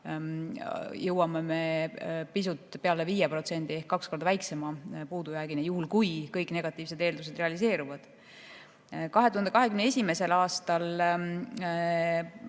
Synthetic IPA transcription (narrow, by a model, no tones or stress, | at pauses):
jɤwɑmeme̞pisut̪ˑːpe̞ɑle̞viːjeprot̪se̞nd̪̥ie̞hkːɑksko̞rd̪ɑvæjkse̞mɑpuːd̪ujæːɡinejuhulkujkɤjkːˑne̞ɡ̥ɑt̪ːˑiːvs̬e̞d̪e̞ːld̪us̬e̞d̪reɑlise̞ːɾuvɑd̪̥ | kɑɦe̞t̪uhɑnd̪eɑɦekymnee̞sʲime̞se̞lɑːst̪ɑl